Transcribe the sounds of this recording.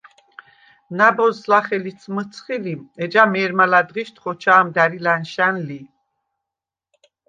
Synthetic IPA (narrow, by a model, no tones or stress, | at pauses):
nabɔzlaχɛlisʰmət̪t͡s̪ʰχiliɛd͡ʒamɛɾmalad̪ʁiʃt̪χɔt͡ʃʰaːmd̪aɾilanʃanli